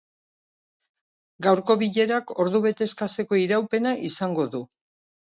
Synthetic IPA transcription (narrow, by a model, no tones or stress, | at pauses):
ɡawɾko̞βiʎe̞ɾako̞ɾðuβe̞t̪e̞skase̞ko̞iɾawpe̞naʔisaŋɡo̞ðu